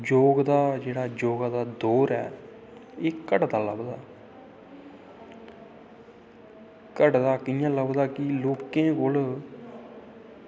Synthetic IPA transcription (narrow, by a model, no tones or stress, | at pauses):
d͡ʒoːɡd̪aːd͡ʒeːɽaːd͡ʒoːɡaːd̪aːd̪oːɾɛ̰ː | eːkəɖd̪aːləbd̪a̰ː | kəɖd̪aːkjãːləbd̪aːkɪloːkẽːkol